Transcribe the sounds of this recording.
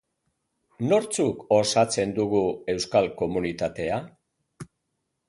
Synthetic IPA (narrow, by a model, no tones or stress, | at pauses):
no̞ɾt͡suko̞sat͡se̞nd̪uɣue̞wskalko̞munit̪at̪e̞a